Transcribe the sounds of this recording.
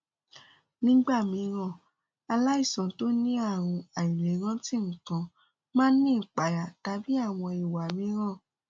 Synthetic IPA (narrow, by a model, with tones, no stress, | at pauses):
nĩ˦ɡ͡ba˦˨mĩ˧˦ɾ̃ã˦˨ | a˧la˦i˦˨sã˨to˦nĩ˦a˦˨ɾ̃ũ˧a˨ĩ˨ɾe˨˦ɾ̃ã˦ti˦˨kã˧ | mãː˦nĩ˦˨k͡pa˨ja˨ta˧˦bi˦a˦˨w̃ɔ̃˧i˨wa˨mĩ˨˧˦ɾ̃ã˦˨